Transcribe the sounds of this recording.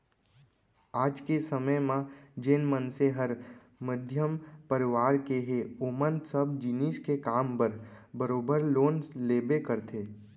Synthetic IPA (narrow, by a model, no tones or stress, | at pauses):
aːd͡ʒkesəməjmãd͡ʒɪnmənseɦəɾ | məd̪ʱjəmpəɾɪʋaːɾkeɦeoːmənsəb̚d͡ʒɪniːskekaːmpəɾbəɾoːbəɾloːnleːbekəɾt̪ʰeː